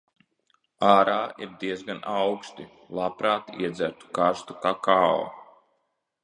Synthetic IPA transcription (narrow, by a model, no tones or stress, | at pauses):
aːɾaːiɾd̪iɛzɡanʔawkst̪i | lˠapɾaːt̪iɛd̪zæɾt̪u̥kaɾst̪ukaːkaːo̰